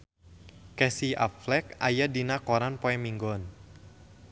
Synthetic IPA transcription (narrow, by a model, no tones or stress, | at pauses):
kɛsia̰pflɛk̚ajadinakoɾanpɔɛmiŋɡɔn